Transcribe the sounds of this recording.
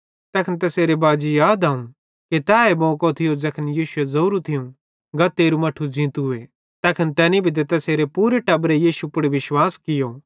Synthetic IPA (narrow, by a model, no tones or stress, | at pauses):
t̪ɛːkʰənt̪ɛseːɾebaːd͡ʒijaːd̪aːũ | kit̪aːebɔ̃ːkot̪ʰɪjod͡zɐkʰənjiːʃʊezɐuːɾut̪ʰɪjũ | ɡɐt̪ːeːɾumɐʈʰud͡ʒĩːt̪uɦʊe | t̪ɛːkʰənt̪ɛːnibʱit̪̬ɛt̪ɛseːɾepuːɾeʈɐbɾejiːʃupʊɽeʋɪʃwaːskɪjoː